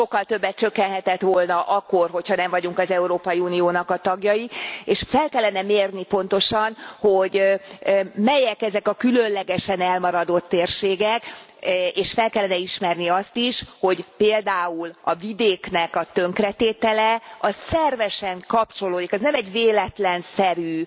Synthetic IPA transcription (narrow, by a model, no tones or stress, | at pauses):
ʃo̞kːɒlt̪ø̞bːɛt̪t͡ʃø̞kːɛnɦɛt̪ɛt̪ʋolnɒʔɒkːorɦo̞chɒnɛɱvɒɟuŋkɒzɛuɾoːpɒjiuːnijoːnɒkɒt̪ɒɡjɒjieːʃfɛlkɛlːɛnɛmeːrnipo̞nt̪o̞ʃɒnho̞ɟ | mɛjɛkɛzɛkɒkylønlɛɡɛʃɛnɛlmɒɾɒd̪o̞t̪ːeːrʃeːɡɛk | eːʃfɛlkɛlːɛnɛiʃmɛrniɒst̪iʃho̞ɟpeːld̪aːulɒvid̪eːknɛkɒt̪ø̞ŋkrɛt̪eːt̪ɛlɛɒssɛrvɛʃɛŋkɒpt͡ʃo̞loːd̪ikɛznɛmɛɟveːlɛt̪lɛnsɛɾyː